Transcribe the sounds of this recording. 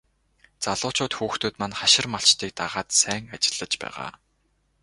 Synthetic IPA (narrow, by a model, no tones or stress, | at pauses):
t͡saɮʊːt͡ɕʊːt̪xuːxt̪uːt̪manχaʃɪ̆rmaɬt͡ɕt̪iːk̚t̪aʁaːt̪sæːŋat͡ɕɪ̥̆ɮ̥ːə̆t͡ɕpæ̰ːʁa̰ː